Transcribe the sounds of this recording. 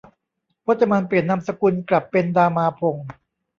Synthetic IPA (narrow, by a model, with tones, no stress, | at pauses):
wʰo˦˥t̪̚t͡ɕːa˧ma˧npli˨˩ənna˧msa˧ku˧nkla˨˩pːe˧ndaː˧maː˧pʰo˧ŋ